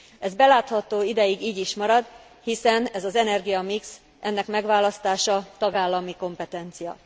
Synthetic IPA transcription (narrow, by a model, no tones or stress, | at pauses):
ɛzbɛlaːt̪hɒt̪oːid̪ɛjiɡiːɟiʃmɒɾɒd̪ | hisɛnɛzɒzɛnɛrɡijɒmiks | ʔɛnːɛkmɛɡʋaːlɒst̪aːʃɒt̪ɒɡaːlːɒmiko̞mpɛt̪ɛnt̪sijɒ̰